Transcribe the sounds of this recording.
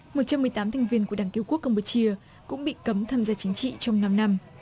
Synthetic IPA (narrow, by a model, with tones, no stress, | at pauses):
mo˨˩t̚t͡ɕa˧mːɨ˨˩əjt̪aː˨˦mt̪ʰɛ˨˩jŋ̟vi˧ənku˧˩əɗaː˧˩ŋki˧˦əwku˦˥əkːə˧ŋ͡mpo˨˦t͡ɕi˧ə | kʊ̰˧˥ŋ͡mɓḭ˧˨kə˨˦mt̪ʰaː˧mzaː˧t͡ɕï˨˦ŋ̟t͡ɕḭ˧˨t͡ɕɔ˧wŋ͡mna˧mna˧m